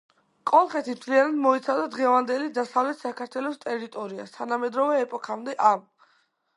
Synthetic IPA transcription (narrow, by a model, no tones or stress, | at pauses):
kʼɔlˠχɛt̪ʰimt̪ʰlianad̪mɔit̪sʰad̪ad̪ʁɛvand̪ɛlid̪asavlɛt̪sakʰaɾt̪ʰwɛlɔst̪ʼɛɾit̪ʼɔɾia̰st̪ʰanamɛd̪ɾɔvɛːpʼɔkʰamd̪ɛʔam